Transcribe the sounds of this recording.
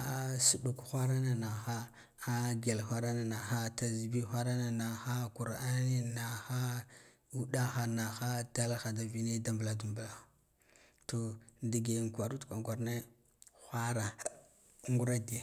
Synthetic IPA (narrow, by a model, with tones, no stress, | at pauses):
a˨su˨ɗu˨kxʷa˦ɾa˦na˨na˨xa˦ | a˦ɡe˨lxʷa˦ɾa˦na˨na˨xa˦ta˨zi˨bi˦xʷa˦ɾa˦na˨na˨xa˦ku˨ɾa˦ni˦na˨xa˦ | u˦da˦xa˨na˨xa˦da˦lxa˨da˨vi˦ne˦da˨mbla˨du˨mbla˨ | to˨ndi˨ɡe˨ŋ˨kʷa˨ɾu˦tkʷa˨ɡʷa˨ɾne˦ | xʷa˦ɾa˨ | ŋɡu˦ɾa˦di˨a˨